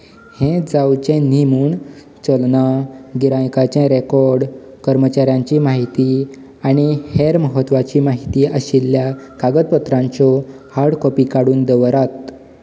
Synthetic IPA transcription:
hẽd͡zawt͡ɕɛ̃nimuːɳ | t͡ɕəlnaɡiɾãjkat͡ɕɛ̃ɾekɔɾɖkəɾmət͡ɕaɾjãɲt͡ɕiːmaɦit̪i | aɽ̃iheɾməɦət̪ːʋat͡ɕiːmaɦit̪iːʔəɕilːjakaɡəd̪̚pət̪ɾãɲt͡sɔ | haɽkɔpikaɽuːnd̪əʋɾat̪

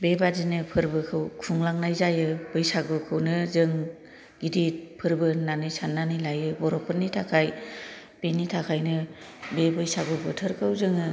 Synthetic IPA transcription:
bebadinɯpʰɯɾbɯkʰɯwkʰuŋlaŋnajzajɯb̥ɯjsaɡɔkʰɯwnɯzɯŋ | ɡidipʰɯɾbɯnanisanːanilajɯbɔɾɔpʰɯnːitʰakʰaj | b̥enitʰakʰajnɯ | bebɯjsaɡɔbɯtʰɯɾkɯwzɯŋɯ

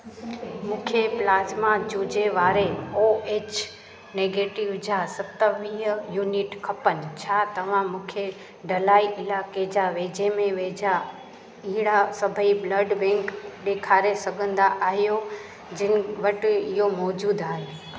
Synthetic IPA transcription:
mũːkʰeplaːzmad͡ʑuːd͡ʑeʋaːɾeoeːt͡ɕ | neːɡeːʈɪʋd͡ʑaːsɐt̪əʋiɦjuːnɪʈkʰɐpənɪ̆t͡ɕʰaːt̪ɐʋ̤ãmũːkʰe | ɖɐlaːiʔɪlaːked͡ʑaːʋeːd͡ʑemẽʋeːd͡ʑa | iɦɪɽasɐbʱəibləɖbɛ̃ŋkɗ̪eːkʰaːɾesɐɡʱə̃nd̪aʔaːɦijo | d͡ʑɪnɪʋɐʈɪ̆ɪɦomɔːd͡ʑuːd̪aːɦeː

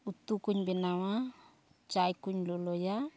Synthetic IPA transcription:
ut̪ukuɲbenawa | t͡ʃajkuɲloloja

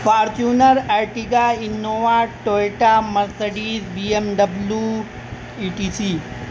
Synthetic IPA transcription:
faːɾt͡ʃunɐɾajʈiɡainːoːʋaʈoːjʈamɐɾsɐɖiːzbiːemɖɐblu | iʈiːsiː

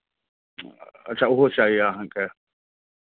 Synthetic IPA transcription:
ɐ̰tːʃʰaʊɦot͡ʃaːɦiaɦãŋke

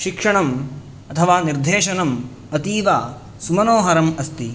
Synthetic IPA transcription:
ʃikʂɐɳɐm | ɐt̪ʰɐʋaːniɾd̪ʱeːʃɐnɐm | ɐt̪iːʋaː | sumɐnoːɦɐɾɐmɐst̪i

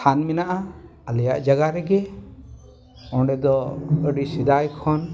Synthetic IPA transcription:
anmɛnaʔaəlɛja̰ʔd͡ʒaɡaɾɛɡɛ | ɔɳɖɛd̪ɔəɖisid̪ajkʰɔn

